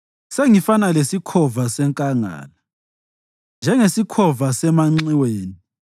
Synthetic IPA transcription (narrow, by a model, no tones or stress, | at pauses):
seŋifanalesikʰɔvasɛŋkʼaŋa̰ːla | nd͡ʒʱɛŋesikʰɔvasɛmaŋ͡ǀiweːni